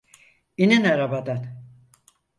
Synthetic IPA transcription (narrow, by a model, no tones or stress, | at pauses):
ininaɾabad̪an